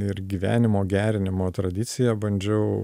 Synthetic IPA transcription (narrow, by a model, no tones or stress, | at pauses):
ɪɾɡʲiːʋʲæ̰ːnʲɪmoːɡʲæːɾʲɪnʲɪmoːt̪ɾɐd̪ʲɪt̪sʲɪjɛbɐnʲd͡ʒʲɛʊ